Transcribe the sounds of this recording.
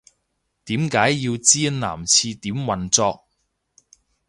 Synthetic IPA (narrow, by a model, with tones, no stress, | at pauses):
t̪iː˨˥mkaː˨˥jːi˧wt͡siː˥nna̰ː˨˩mt͡sʰiː˧t̪iː˨˥mwɐ˨nt͡sɔː˧k̚